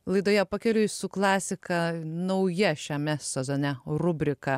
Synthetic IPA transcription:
lˠɐɪd̪oːjɛpɑkʲɛlʲʊsʊklˠɑːsʲɪkɐnɐʊjɛʃʲɛmʲɛsʲɛzoːnʲɛrʊbʲɾʲɪkɐ

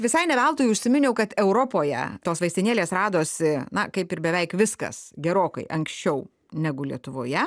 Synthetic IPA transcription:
ʋʲɪsɐɪnʲɛʋʲɛlˠt̪oːjʊʃʲsʲɪmʲɪnʲɛʊkɐt̪ɛʊɾoːpoːjɛ̰t̪oːsʋɐɪst̪ʲɪnʲeːlʲeːsrɑːd̪oːsʲɪnɐkɐɪpɪɾbʲɛʋʲɛɪkʋʲɪskɐ̰sɡʲɛɾoːkɐ̰ɪʔɐŋksʲt͡ʃʲɛʊ | nʲæɡʊlʲiɛt̪ʊʋoːjɛ

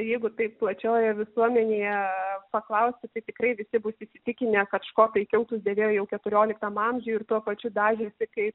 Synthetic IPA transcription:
jɛɪɡʊt̪ɐɪpplˠɐt͡ʃʲoːjɛʋʲɪsuɔmʲɛnʲeːjɛpɐklˠɐʊsʲt̪ʲɪt̪ɐɪt̪ʲɪkɾɐɪʋʲɪsʲɪbʊsʲiːsʲɪt̪ʲɪkʲɪnʲekɐt̪ʃkoːt̪ɐɪkʲɛʊt̪ʊsʲd̪ʲeːʋʲeːjoːjɛʊkʲɛt̪ʊɾʲoːlʲɪkt̪ɐmɐmʲʒʲuːɪrt̪uɔpɐt͡ʃʲʊd̪ɑːʒʲɪsʲɪkɐɪp

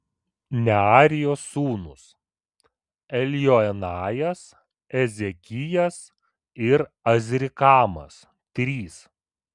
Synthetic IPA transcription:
nʲɛɑːɾʲɪjoːsːuːnʊs | ɛlʲjoɛnɑːjɛs | ɛzʲɛkʲɪjɛs | ɪɾ | ɐzʲɾʲɪkɑːmɐ̰s | t̪ʲɾʲiːs

